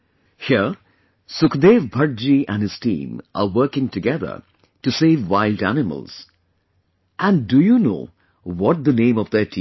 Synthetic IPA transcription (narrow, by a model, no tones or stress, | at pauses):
hiə | sʊkd̪eːʋbʱʌɾ̚d͡ʒiʔæ̰̃nɨz̥tḭ̃ːmʔa̰ʋəɾkɪ̃ŋʈɨɡɛðə̰˞ | ʈuseːʋwaɪlɖæ̰nɪmə̰lz̥ | ʔæ̃ndujuno̰ː | wɔt̚d̪ənẽːmɔʋd̪ətʰi